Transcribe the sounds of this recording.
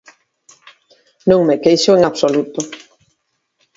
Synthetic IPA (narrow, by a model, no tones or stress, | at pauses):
nũŋmekejʃoeŋaβsolut̪o